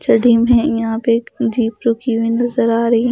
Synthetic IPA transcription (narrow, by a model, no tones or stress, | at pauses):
t͡ʃɐɽʱimẽjɐɦãped͡ʒiːpɾʊkiʋĩnɐzəɾaːɾɐɦiɦ